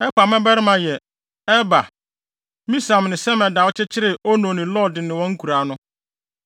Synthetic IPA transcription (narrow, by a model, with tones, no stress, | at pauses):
ɛ˦kʷa˨mɛ̃˦bɛ˦ɾɪ˦mã˨jɛ˨ | ɛ˦ba˨ | mĩ˦sa˨m˨nɪ̃˨sɛ˦mɛ˨da˨wɔ˦t͡ɕʰɪ˦t͡ɕʰɪ˦ɾɪ˨ɔ˦nõ˨nɪ̃˨lɔ˦˨dɪ˨nɪ̃˨wɔ̃˦ŋ̩˦kʰu˨ɾa˨˦nʊ̃˦